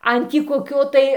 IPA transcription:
ˈɐn tʲiː koːˈkʲoː tɐɪ

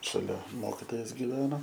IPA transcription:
ʃɐˈlʲɛ ˈmoːkʲɪtoːjɛs ɡʲɪˈʋʲæːnoː

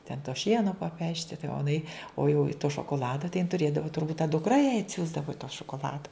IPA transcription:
tʲɛn toː ˈʃʲiɛnoː pɐˈpʲæːʃʲtʲɪ tɐɪ oː ɪˈnɐɪ oː jɛʊ ɪ toː ʃoːkoːˈlˠɑːdɐ tɐɪ jɪn tʊˈrʲeːdɐʋoː tʊrˈbuːt tɐ dʊkˈrɐ jɛɪ ɐtʲˈsʲuːzdɐʋoː tɑː ʃoːkoːˈlˠɑːdoː

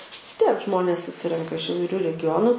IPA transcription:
ʋʲɪs ˈtʲiɛk ˈʒmoːnʲeːs sʊˈsʲɪrʲɛŋkɐ ɪʃ iːʋɐɪˈrʲʊ rʲɛɡʲɪˈjoːnʊ

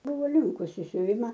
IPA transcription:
ˈbʊʋoː ˈlʲɪŋkʊs ɪ sʲʊˈʋʲɪmɐ

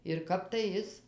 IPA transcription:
ɪr ˈkɐp tɐɪ ˈɪs

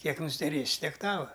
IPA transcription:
ˈkʲiɛk nʊsʲɪdʲɛˈrʲeːsʲɪ ˈtʲiɛk ˈtɑːʋɐ

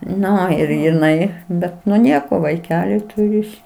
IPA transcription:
ˈnʊ ɪr jɪˈnɐɪ ˈbʲɛt nʊ ˈnʲiɛkoː ʋɐɪˈkʲæːlʲɪ ˈtʊrʲɪ ɪs

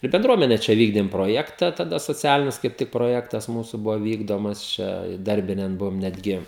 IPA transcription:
ɪr bʲɛnˈdruɔmʲɛnʲɛ ˈt͡ʃʲɛ ˈʋʲiːɡdʲeːm proːˈjæːktɐ tɐˈdɐ soːˈt͡sʲæːlʲɪnʲɪs kɐɪp ˈtʲɪk proːˈjæːktɐs ˈmuːsʊ ˈbʊʋoː ˈʋʲiːɡdoːmɐs ˈt͡ʃʲɛ ɪˈdɐrʲbʲɪnʲɛn ˈbʊʋoːm nʲɛdʲˈɡʲɪ

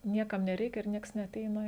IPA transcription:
ˈnʲiɛkɐm nʲɛˈrʲɛɪkʲɛ ɪr ˈnʲiɛks nʲɛɐˈtʲɛɪnɐ

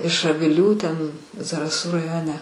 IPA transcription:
ɪʃ ɐʋʲɪˈlʲuː ˈtʲɛn zɐrɐˈsuː rɐˈjoːnʲɛ

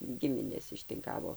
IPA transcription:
ˈɡʲɪmʲɪnʲeːs ɪʃʲtʲɪŋˈkɑːʋoː

